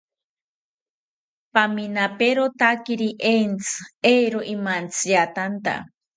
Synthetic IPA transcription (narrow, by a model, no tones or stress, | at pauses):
paminapeɾot̪akiɾiʔent͡sʰɨ̥ejɾoʔimant͡sʰijat̪ant̪a̰